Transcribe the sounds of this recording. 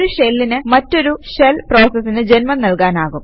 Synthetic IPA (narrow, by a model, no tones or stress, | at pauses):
ɾuʂelːinɨmɐtːo̞ɾuʂelpro̞ːsɐsːinɨd͡ʑenmɐnɐlkaːnaːɣum